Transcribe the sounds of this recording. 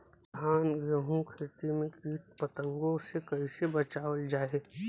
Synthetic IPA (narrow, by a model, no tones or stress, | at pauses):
aːnɡɾəɦũkʰet̪imẽkiːt̪̚pɐt̪ə̃ŋɡõsekɐɪsebɐt͡ʃaːʋəld͡ʒaːeː